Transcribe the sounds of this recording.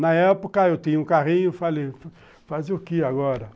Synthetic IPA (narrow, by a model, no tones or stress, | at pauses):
nɐɛpokɐewt̪ĩɲʊũkaʁĩɲʊfalef | fazʊkɪaɡɔɾɐ